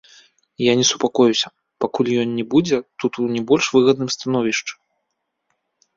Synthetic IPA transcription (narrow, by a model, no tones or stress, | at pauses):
janʲɛsu̥pakɔjusʲɐ | pakulʲjɔnːʲɛbud͡zʲɛt̪ut̪unʲɛbɔlʲʂvɨɣɐd̪nɨmst̪anɔvʲiʂt͡ʂɨ̥